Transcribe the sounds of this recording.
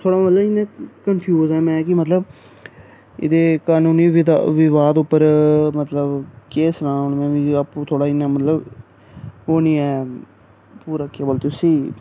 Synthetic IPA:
t̪ʰoːɽaːmət̪ləɪnẽːkənpʰjuːzɛːmɛ̃ːkɪmət̪ləb | ɪ̰d̪eːkaːnũːniːʋɪʋɪʋaːd̪ʊpːəɾmət̪ləbkeːsnãːonmɛ̃ːʋiːapːt̪ʰoːɽaːɪnːãːmət̪ləb | oːnĩːɛː | puːɾaːkeːbəlt̪ɪsiː

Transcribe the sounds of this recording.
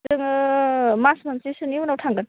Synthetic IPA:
ɯŋ | masmɐnsisɯniwunawtʰaŋɡɯn

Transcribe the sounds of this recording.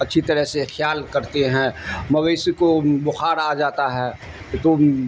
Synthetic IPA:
ɐtːʃʰit̪ɐɾəɦsexjaːlkɐɾt̪eɦɛ̃mɐʋeːskobʊxaːɾaːd͡ʒaːt̪aɦɛː | t̪o

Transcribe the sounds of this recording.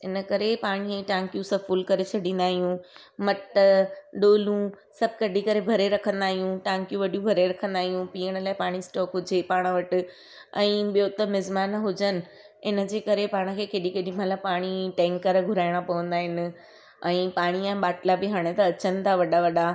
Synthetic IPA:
ɪnəkɐɾepaːɽ̃iɛ̃ːʈãːŋkjũsɐfʊlkɐɾet͡ɕʰɐɖʱĩːn̆d̪aːɦijũ | mɐʈəɗoːlũ | sɐbʱkɐɗikɐɾebʱɐɾeɾɐkʰə̃nd̪aːɦijũʈãːŋkjũʋɐɗijũbʱɐɾeɾɐkʰə̃nd̪aːɦijũpiːəɽ̃laːɪpaːɽ̃isʈɔːkɦʊd͡ʑepaːɽ̃əʋɐʈɪ̆ | ɛ̃ːɓijot̪ɐmɪzmaːnɦʊd͡ʑənɪ̆ | ɪnə̆d͡ʑeːkɐɾepaːɽ̃ə̆kʰeːkeːɗikeːɗĩmɐləpaːɽ̃iʈɛ̃ːŋkəɾɡʱʊɾaːɪɽ̃apɐʋə̃nd̪aːɦɪnɪ̆ | ɛ̃ːpaːɽ̃iɛ̃ːɓaːʈlabɪɦaːɽ̃et̪ɐɐt͡ɕənɪ̆t̪ʰaʋɐɗaʋɐɗa

